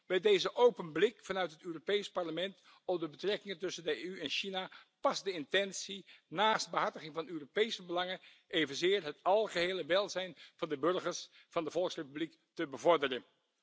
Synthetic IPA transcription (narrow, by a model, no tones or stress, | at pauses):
bɛjdejzəʔowpənblɪkfɑnœɥtɦətøːropejspɑɹləmɛnt | ɔmdəbətrɛkɪŋəntɵsəndəeyɛnʃinapɑsdəɪntɛnsinaːsd̚bəɦɑɹtəχɪŋvɑnøːropejsəbəlɑŋə | ʔejvənzɪːɹɦətɑlˠχəɦeːləʋɛlˠzɛjnv̥ɑndəbɵɹχəɹs | fɑndəvɔlˠksrepyblik | təbəvɔɹdərən